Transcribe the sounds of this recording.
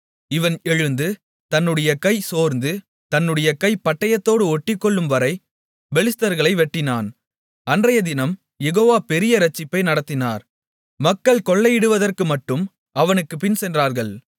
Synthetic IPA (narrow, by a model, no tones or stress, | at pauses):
ɪʋɐnɛɻɯnd̪ɯ | t̪ɐnːɯɽɐjɐkɐɪsoːɾnd̪ɯ | t̪ɐnːɯɽɐjɐkɐɪpɐʈːɐjɐt̪ːoːɽɯɔʈːɪkːɔɭːɯmʋɐɾɐɪ | bɛlɪst̪ɐɾɣɐɭɐɪʋɛʈːɪnaːn | ɐndrɐjɐd̪ɪnɐm | jɛɣoːʋaːpɛɾɪjɐɾɐt͡ʃːɪpːɐɪnɐɽɐt̪ːɪnaːɾ | mɐkːɐɭkɔɭːɐjɪɽɯʋɐðɐrkɯmɐʈːɯm | ɐʋɐnɯkːɯpɪnsɛndraːɾɣɐɭ